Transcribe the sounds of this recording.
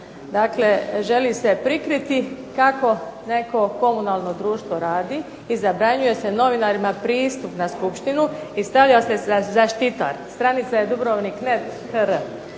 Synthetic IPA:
d̪akle̞ʒe̞lise̞pɾikɾit̪ikako̞ne̞ko̞ko̞munalˠno̞d̪ɾuːʃt̪ʋo̞ɾaːd̪i | izabɾaɲuje̞se̞no̞ʋinaɾimapɾiːst̪upnaskupʃt̪inuist̪aʋʎaosezaʃt̪it̪a̰ɾst̪ɾanit̪sajed̪ubɾoʋniknet̪ | həɾ

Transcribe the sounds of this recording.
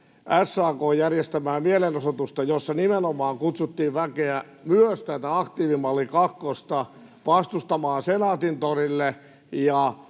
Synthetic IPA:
ʔæsːɑːkoːjjærjest̪æmæːmielenosot̪ust̪ɑjosːɑnimenomɑːŋkut̪sut̪ːiːʋʋækeæ | myøst̪æt̪æɑkt̪iːʋimɑlːikɑkːost̪ɑ | ʋɑst̪ust̪ɑmɑːnsenɑːt̪int̪orilːe | jɑ

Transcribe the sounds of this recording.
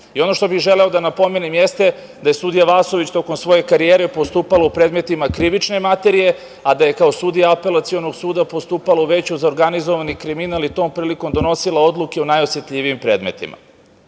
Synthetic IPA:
io̞no̞ʃt̪o̞bixʒeleo̞d̪anapo̞me̞nimjest̪e̞ | d̪aje̞sud̪ijaʋaːsoʋit͡ɕt̪o̞komsʋo̞je̞kaɾijeːɾe̞po̞st̪uːpalaupɾeːd̪me̞t̪imakɾiʋit͡ʃne̞mat̪e̞ɾije̞ | ad̪aje̞kao̞sud̪ijaape̞lat̪sio̞no̞ɡsuːd̪apo̞st̪uːpalauʋe̞t͡ɕuzaoɾɡanizo̞ʋanikɾiminalit̪o̞ːmpɾiːliko̞md̪o̞no̞silˠao̞d̪lˠukeonajosjet̪ʎʲiʋijimpɾe̞ːd̪me̞t̪ḭma̰

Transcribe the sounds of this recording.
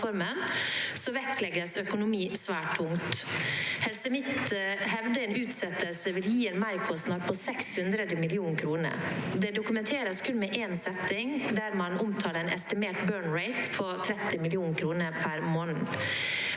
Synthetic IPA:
fɔɾmənsɔʋɛklɛɡəsœkʊnʊmiːsʋæːʈʰːʊŋt̪ | hɛlsəmɪt̪ɦɛʋd̪əeːnʉːt̪sɛt̪ːəlsəʋɪljiːeːnmæɾkʰɔsnɑːɾpʰɔsɛkshʉnd̪ɾəd̪əmɪlɪuːnkʰɾuːnə̰ɾd̪ɛd̪ʊkʉmɛnt̪ʰeːɾəskʰʉnmɛʔeːnsɛt̪ːɪŋd̪æɾmɑnʊmt̪ʰɑːɾɛnʔɛ̰st̪ɪmeːʈbøːɳɾeɪt̪pʰɔt̪ʰɾɛt̪ːɪmɪlɪuːnkʰɾuːnəɾpʰæɾmoːnn̩

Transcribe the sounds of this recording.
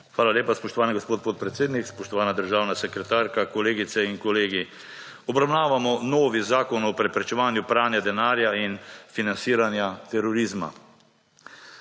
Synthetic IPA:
xʋaːlalʲjeːpaspɔʃt̪ɔʋaːniɡospoːt̪̚poːt̪̚pɾɛt̪seːd̪nikspɔʃt̪ɔʋaːnad̪əɾʒaːwnasɛkɾɛt̪aːɾkakɔleːɡit̪sɛiŋkɔleːɡi | ɔbɾawnaːʋamɔnoːʋizaːkɔnɔpɾɛpɾɛt͡ʃɛʋaːnjupɾaːnjad̪ɛnaːɾjainfinansiːɾanjat̪ɛɾɔɾizma̰

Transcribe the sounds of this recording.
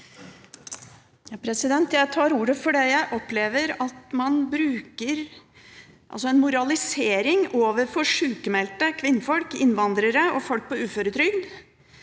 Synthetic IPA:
jɑːpʰɾɛsɪd̪ɛnt̪jæɪt̪ʰɑːɾuːɾəfɔɖɛjæɪʔɔpleːʋəɾɑt̪mɑnbɾʉːkəɾ | ʔɑ̰lsɔɛnmʊɾɑlɪseːɾɪŋoːʋəɾfɔʂʉːkəmɛlt̪əkʰʋɪnːəfɔlkɪnʋɑnd̪ɾəɾəɔfɔlk̚pʰɔʉːføɾət̪ʰɾʏɡd̪

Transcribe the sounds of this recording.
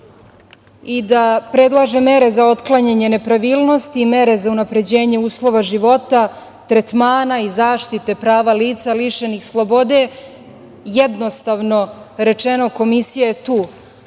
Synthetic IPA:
id̪apɾe̞d̪lˠaʒe̞me̞ɾe̞zaot̪klˠaɲeɲenepɾaʋiːlˠno̞st̪iːme̞ɾe̞zaunapɾe̞d͡ʑe̞ːɲe̞uːslˠo̞ʋaʒiʋo̞t̪a | t̪ɾe̞t̪maːnaizaːʃt̪it̪e̞pɾaːʋaliːt̪saliʃenixslˠo̞bo̞d̪e̞ | jed̪no̞st̪aʋno̞ɾe̞t͡ʃe̞no̞ko̞misijaet̪uː

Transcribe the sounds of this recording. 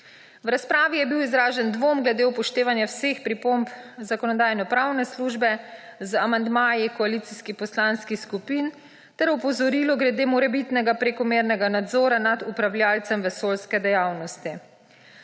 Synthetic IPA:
wɾaspɾaːʋijɛbiwizɾaːʒɛnd̪ʋomɡlɛd̪eːupɔʃt̪eːʋanjawseːxpɾipompzakɔnɔd̪aːjnɔpɾaːwnɛsluːʒbɛzamand̪maːjikɔalit̪siskipɔslanskixskupin | t̪ɛɾɔpɔzɔɾiːlɔɡɾɛd̪eːmɔɾɛbit̪nɛɡapɾekɔmeːɾnɛɡanad̪zɔːɾanad̪upɾawljaːlt̪sɛmʋɛsoːlskɛd̪ɛjawnɔst̪i

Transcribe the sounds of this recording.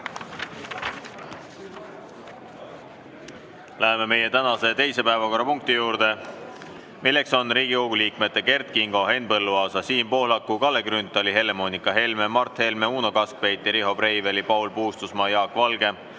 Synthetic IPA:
læɦe̞me̞me̞je̞t̪ænɑse̞t̪e̞jse̞pæevɑko̞rːɑpuŋk̚t̪ijuːɾd̪̥e̞ | milːe̞kso̞nriːɡioɡ̥uliːkme̞t̪ːˑe̞ke̞rt̪̚kiŋɡ̥o̞ɦe̞npɤlːuɑːsɑsiːmpo̞hlɑkˑːukɑlːeɡɾynt̪ːˑɑliɦe̞le̞mo̞nikːˑɑɦe̞lme̞mɑrt̪he̞lme̞uːno̞kɑsk̚pe̞jt̪ːˑiɾiɦo̞prejvelipɑwlpuːst̪usmɑjɑːkːˑvɑlɡ̥e̞

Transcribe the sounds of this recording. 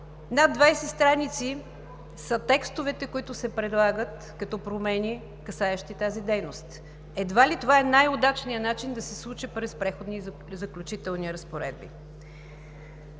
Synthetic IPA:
nad̪vajsɛst̪ɾanit̪si | sət̪ɛkst̪ovɛt̪ɛkʊit̪ʊsɛpɾɛd̪lˠaɡət̪ | kɐt̪ɔpɾomɛni | kɐsaɛʃt̪it̪azid̪ɛjnost̪ | ɛd̪valit̪ovaɛnajod̪at͡ʃnijənat͡ʃind̪ɐsɛslˠut͡ʃɛpɾɛspɾɛxod̪ni | zɐklʲut͡ʃit̪ɛlˠniɾəspoɾɛ̰d̪̚bḭ

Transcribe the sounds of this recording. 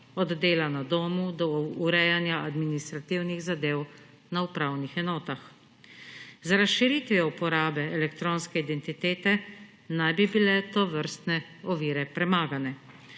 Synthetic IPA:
ɔd̪d̪eːlanad̪oːmud̪ɔːɾɛjanjaʔad̪minist̪ɾat̪iwniɣzad̪eːw | naupɾawnixɛnɔːt̪ax | zaɾasʃiɾit̪ʋiɛupɔɾaːbɛɛlɛkt̪ɾoːnskɛid̪ɛnt̪it̪eːt̪ɛ | najbibilɛt̪ɔʋəɾst̪nɛ | ɔʋiːɾɛpɾɛmaːɡanɛ

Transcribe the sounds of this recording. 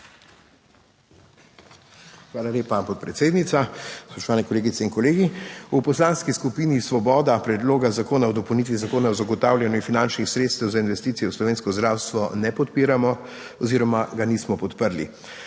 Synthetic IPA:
xʋaːlaleːpapɔt̪̚pɾɛt̪seːd̪nit̪saspɔʃt̪ɔʋaːnɛkɔleːɡit̪sɛinkɔleːɡiupɔslaːnskiskupiːnisʋɔbɔːd̪apɾɛd̪loːɡazakoːnawd̪ɔpəwnit̪ʋizakoːnaɔzaɡɔt̪aːwljanjuifinant͡ʃnixsɾeːt̪st̪ɛwzainʋɛst̪iːt̪sijɛwslɔʋeːnskɔzd̪ɾawst̪ʋɔnɛpɔt̪piːɾamɔ | ɔziːɾɔmaɡaniːsmɔpɔt̪pəɾlḭ

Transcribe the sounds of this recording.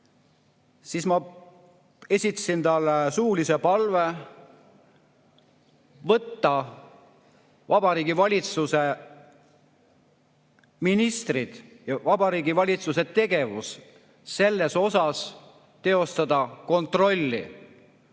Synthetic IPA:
sismɑ | e̞sʲit̪ːˑɑ̥sint̪ɑlːsuːlise̞pɑlve̞ | vɤt̪ːɑ | vɑb̥ɑɾiːɡivɑlʲit̪suse̞ | minist̪rid̪̥jɑvɑbɑɾiːɡivɑlʲit̪suse̞t̪e̞ɡ̥e̞vus | se̞lːe̞so̞sɑs | t̪e̞o̞st̪ɑd̪̥ɑko̞nt̪ro̞lʲːḭ

